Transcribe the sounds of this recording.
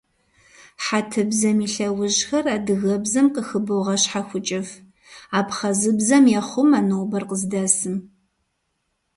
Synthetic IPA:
ħatʰɨbzɐmiːɬɐwʊʑxɐraːdɨɣɐbzɐmqəxɨbɨwʁɐɕħaxʷʊt͡ʃʼɪf | aːpχɐzɨbzɐmjɛχʷʊmaːnoːbɐrqəzdaːsɨm

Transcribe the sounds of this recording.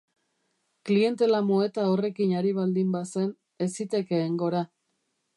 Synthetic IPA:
klie̞nt̪e̞lamoe̞t̪ao̞re̞kinaɾiβ̞ald̪imbase̞n | e̞sit̪e̞ke̞ːŋɡo̞ɾa

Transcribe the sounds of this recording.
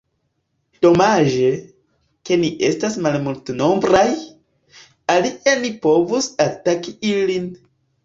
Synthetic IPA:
d̥o̞maʒe̞ | ke̞niʔe̞stasmalmultnombɾaj | alienipo̞vusatakiilin

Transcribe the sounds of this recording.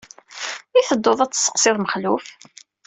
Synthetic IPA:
iθəd̪ːoðˤæt͡sːsːə̥qsɪðˤməχluf

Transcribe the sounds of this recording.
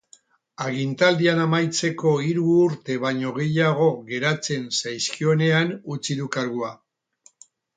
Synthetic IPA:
aɣint̪ald̪ianamajt͡se̞ko̞iɾuːɾt̪e̞βaɲo̞ɣ̞e̞jaɣ̞o̞ɣe̞ɾat͡se̞nsajskio̞ne̞anut͡siðukaɾɣua

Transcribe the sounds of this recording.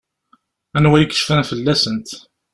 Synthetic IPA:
ænwæjikə̥ʃfænfəlːæsənt̪

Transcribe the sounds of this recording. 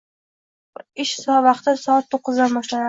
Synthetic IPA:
ɪʃsɒvɑqt̪ʰɪsɒat̪ʰːoqːɨzd̪anbɒʃlana

